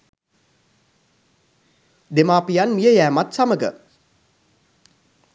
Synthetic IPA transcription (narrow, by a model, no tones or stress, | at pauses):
d̪emaːpijanmijəjæːmat̪saməɡə̰